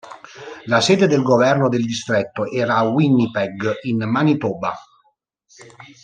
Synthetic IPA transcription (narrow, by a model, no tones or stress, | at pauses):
lasɛːd̪ed̪elɡovɛrnod̪eld̪ist̪ɾet̪ːoʔɛːɾaːwinːipɛɡinmanit̪oːba̰